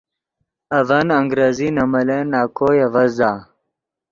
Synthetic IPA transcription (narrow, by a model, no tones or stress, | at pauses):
ɐvɐnɐŋɡɾezinɐmɐlenːaːkoːjevɐzd̪aː